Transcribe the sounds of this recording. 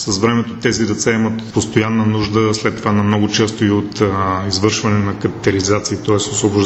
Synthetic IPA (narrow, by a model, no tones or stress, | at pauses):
səsvɾɛmɛt̪ot̪ɛzid̪ɛt̪sɛɛmət̪post̪ojanːənuʒd̪əslɛt̪ːovanɐmnɔɡʊt͡ʃɛst̪oiot̪izvɤɾʃvɐnɛnɐkəpi̥t̪ɛɾizat̪siːt̪ɔɛsosvoboʒ